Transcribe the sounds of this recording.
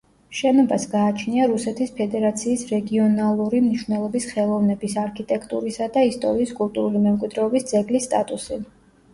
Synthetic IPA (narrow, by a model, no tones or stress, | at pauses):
ʃɛnɔbasɡaːt͡ʃʰniaɾusɛt̪ʰispʰɛd̪ɛɾat̪sʰiːsɾɛɡiɔnalˠuɾimniʃwvnɛlˠɔbisχɛlˠɔvnɛbisaɾkʰit̪ʼɛkʰt̪ʼuɾisad̪aist̪ʼɔɾiːskʼulˠt̪ʼuɾulimɛmkʼwid̪ɾɛɔbisd̪zɛɡlisːt̪ʼat̪ʼusi